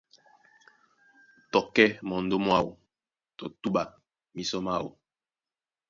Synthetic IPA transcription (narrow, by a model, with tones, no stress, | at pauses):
tɔ˨kɛ˦mɔ˨n̩˨do˦mwa˦˨wo̰˨ | tɔ˨tu˦ɓa˨ | mi˨sɔ˦ma˦˨wo̰˨